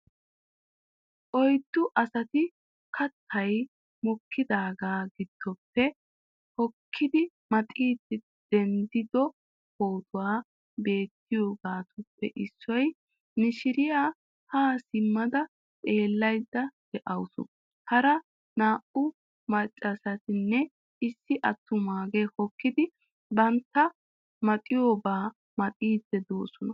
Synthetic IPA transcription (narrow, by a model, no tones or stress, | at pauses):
ʔɔjd̪̥ːʊʔɐsɐt̪ɪ | kʰɐt̪ʰːɐj | mɔkːɪd̪aːɡaːɡɪd̪̥ːɔpːɛ | hɔkʰːɪd̪ɪ | mɐt̪ʼiːd̪ɪ | d̪̥ɛnd̪ɪd̪ɔ | hoːt̪ʰʊwaː | be̞ːt̪ːɪjo̞ːɡaːt̪ʊpːɛʔɪsːɔj | nɪʃɪɾɪjaː | haːsɪmːɐd̪ɐ | t̪ʼe̞ːlːɐjd̪ːɐd̪̥ɛʔɐwsʊ̰ | hɐɾɐ | naːʔʊ | mɐt͡ʃʼːɐsɐt̪ɪnːɛ | ɪsːɪʔɐt̪ːʊmaːɡɛhɔkːɪd̪ɪ | bɐnt̪ːɐ | mɐt̪ʼɪjo̞ːɡaː | mɐt̪ʼiːd̪ːɛd̪oːsɔnɐ